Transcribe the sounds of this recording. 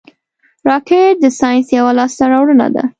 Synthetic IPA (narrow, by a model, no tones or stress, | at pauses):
ɾɑkeʈ̚d̪əsɑjnsjawalɑst̪aɾɑwɽəna̰d̪a̰